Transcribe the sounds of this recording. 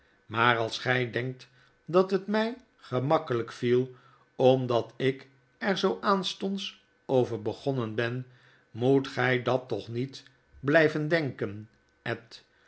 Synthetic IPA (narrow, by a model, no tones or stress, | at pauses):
maːrɑlˠsχɛjdɛŋk̚t | dɑtɦətmɛj | χəmɑkələkfilˠ | ɔmdɑtɪk | ɛɹzowʔaːnstɔnts | owvəɹbəχɔnənbɛn | mutχɛjdɑtɔχnit | blɛjvəndɛŋkən | ɛt